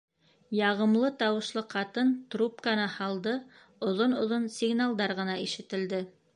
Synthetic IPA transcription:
jɑʁɤ̆mlˠɤt̪ɑwɤ̆ʃlˠɤqʰɑt̪ɤnt̪rupkanɑhɑlˠd̪ɤ | ŏðonŏðonsʲiɡnalˠd̪ɑɾʁɤ̆nɑiʃɘ̆t̪ɘ̆ld̪ɘ

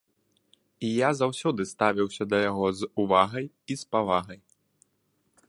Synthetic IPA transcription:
ijazawsʲɔd̪ɨst̪avʲiwsʲɐd̪ɐjaɣɔzuvaɣɐj | ispavaɣɐj

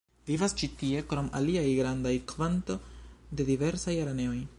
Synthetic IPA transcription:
vivast͡ʃitie̞kɾo̞mʔa̰liajɡɾandajkvanto̞de̞dive̞ɾsajaɾane̞o̞j

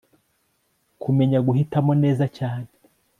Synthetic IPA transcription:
kumeɲaɡuhitamone̞ːzacaːne

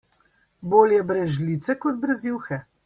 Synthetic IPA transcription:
boːljɛbɾɛzʒliːt̪sɛkɔd̪̚bɾɛzjuːwxɛ

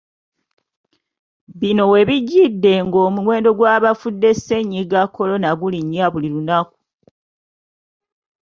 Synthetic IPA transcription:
βino̞we̞βiɟːidːe̞ŋɡoːmuwe̞ːndo̞ɡwaːβafudːe̞se̞ɲːiɡakːo̞lo̞naɡuliɲːaβulilunaku̥

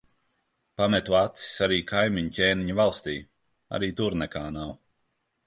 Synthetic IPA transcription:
pamɛt̪uat̪si̥saɾiːkʰajmiɲcʲeːniɲavalˠst̪iː | a̰ɾiːt̪uɾnɛkaːnaw

